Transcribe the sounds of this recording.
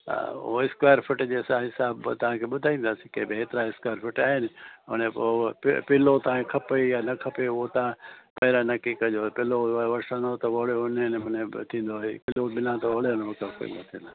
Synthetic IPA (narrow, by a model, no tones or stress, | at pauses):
a̰ʊ̰ɦoɪskwaːəɾfɪʈd͡ʑeːsãɦɪsaːbt̪ɐʋ̤ãkʰeːɓʊd̪ʱaːĩːnd̪aːsĩkẽːbɪɦeːt̪ɪɾaɪskwaːjəɾfɪʈaːɦɪnɪʊñẽpːpɪlot̪ɐʋ̤ãkʰɐpeijanɐkʰɐpeʊɦot̪ɐãpɐɦɪɾanɐkikɐʄoːpɪloʋɐsə̃not̪ɐʋɐɭeʊnenmʊnẽt̪ʰĩːn̆d̪oɦepɪlobɪlãt̪oʋɐɭeʊnokakḭ̃ːnd̪ot̪ʰḭ̃ːnd̪a